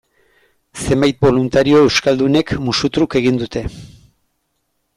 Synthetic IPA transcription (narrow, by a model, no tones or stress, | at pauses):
se̞mbajt̪̚bo̞lunt̪aɾio̞e̞wskald̪une̞kmusut̪ɾuke̞ɣind̪ut̪e̞